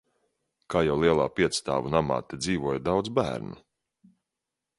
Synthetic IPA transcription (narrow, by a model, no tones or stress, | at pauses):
kaːjawlˠiɛlˠaːpiɛt̪st̪a̰ːvunama̰ːt̪ɛd̪ziːvuɔjad̪awd̪zbæ̰ːɾnṵ